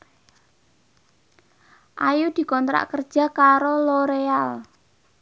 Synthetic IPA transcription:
ʔajud̪̥i̤kɔnt̪ɾa̰ʔkərd̥ʒ̥a̤kaɾoloɾeal

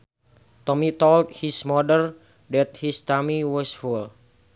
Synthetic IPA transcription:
t̪ɔmit̪ɔlt̪̚hismɔdəl | dɛt̪̚hist̪amiwɔsful

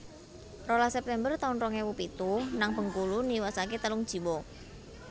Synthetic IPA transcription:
rolasɛp̚t̪ɛmbərt̪aʊnrɔŋewupit̪uhnaŋbəŋkuluniwasaket̪əlʊŋd̥ʒ̥i̤wɔ

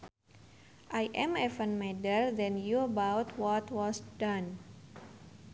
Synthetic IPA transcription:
ʔajʔɛ̃mɛvənmɛdərdɛnjuəbawt̪wɔt̪wɔsdan

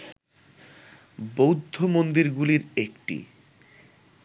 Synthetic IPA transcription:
bowd̪ʱːomond̪iɾɡuliɾekʈḭ

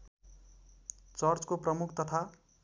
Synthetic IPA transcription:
t͡sʌrt͡skoprʌmukʰt̪ʌt̪ʰa

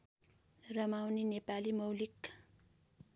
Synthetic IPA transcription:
rʌmawninepalimʌwlik

